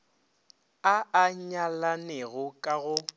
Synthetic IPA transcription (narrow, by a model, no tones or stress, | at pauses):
aaɲalaneɣʊkʼaɣʊ